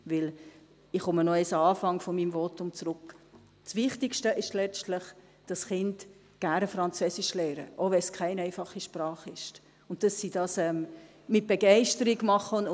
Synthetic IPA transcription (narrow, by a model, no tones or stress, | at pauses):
vɪl | ɪχχʊmənoɪsəɑːfɑŋfɔmiːmvotʊmt͡sɾʊk | svɪχtɪkʃtəʔɪʃtlɛstləχ | d̥ɑsχɪnd | ɡ̥æɾnəfɾɑnt͡søsɪʃlɛːɾə̰ʔovɛskʰχæɪnɛɪfɑχːiʃprɑːχɪʃt | ʊntd̥ɑsːid̥ɑːsɛm | mɪt̚b̥eɡɛɪʃtəɾiɡmɑχən